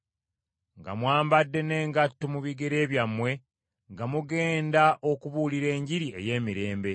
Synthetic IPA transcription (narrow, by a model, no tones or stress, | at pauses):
ŋɡa̰mwaːmbadːe̞ne̞ːŋɡatːomuβiɡeɾe̞ːβjamːwe̞ | ŋɡamuɡeːndaʔokuβuliɾe̞ːɲɟiɾie̞̰je̞ːmiɾe̞ːmbe̞